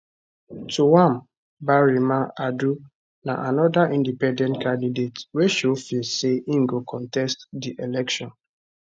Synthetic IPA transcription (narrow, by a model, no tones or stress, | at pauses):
tuwãm | baɹimaadu | na̰ʔanɔdaʔĩndipɛ̃ndɛ̃ntkãndidetweʃofiseĩŋ̩ɡokʰɔ̃ntɛstdiʔelɛkʃɔ̃n